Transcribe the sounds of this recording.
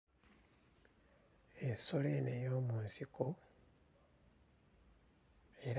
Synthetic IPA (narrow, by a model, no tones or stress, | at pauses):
enso̞lenejoːmuːnsiko | e̞ɾ